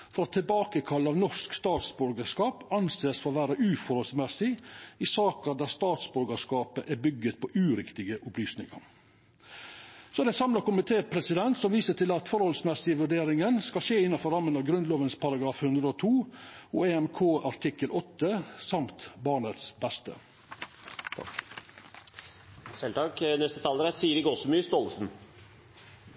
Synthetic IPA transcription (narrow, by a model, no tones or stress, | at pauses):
fɔɾɔt̪ʰɪlbɑːkəkʰɑlːəɑʋnɔʂkst̪ɑːt̪sbɔɾɡəʂkɑːpɑnseːsfɔɾɔʋæːɾəʔʉːfɔɾhɔlsmɛsɪɪsɑːkəd̪æːst̪ɑːt̪sbʉɾɡəʂkɑːpəʔæbʏɡːət̪̚pʰɔʔʉːɾɪkt̪ɪɡəʔʊplyːsnɪ̰ŋɑ̰ɾ | sɔd̪ɛsɑmlɑkʊmɪt̪ʰeːpʰɾɛsɪd̪ɛnt̪sɔmʋiːsəʈ̪ʰɪlɑt̪fɔɾhɔlsmɛsɪʋʉɖeːɾɪŋənskɑlʃeːɪnːɑfɔɾɑmːənɑʋɡɾʉnd̪loːʋənspʰɑɾɑɡɾɑːfhʉnd̪ɾəot̪ʰuːɔeɛmkʰoːɑɾʈʰɪkəlʔɔt̪ːəsɑmt̪bɑːɳət̪sbæst̪ə̰ | sɛlt̪ʰɑknɛst̪ət̪ʰɑːləɾæsiːəɾɪɡɔsmyːst̪ɔlsn̩